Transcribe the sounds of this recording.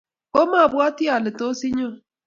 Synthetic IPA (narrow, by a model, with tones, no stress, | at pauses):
o˦ma˦˨bwa˦ti˦a˨lɪ˨to˦si˦ɲɔ˦